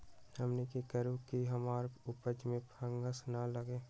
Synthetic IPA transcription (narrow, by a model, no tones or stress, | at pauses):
həmnekikəɾukiɦəmaːɾʊpəd͡ʒmẽpʰə̃ŋɡəsnaləɡeː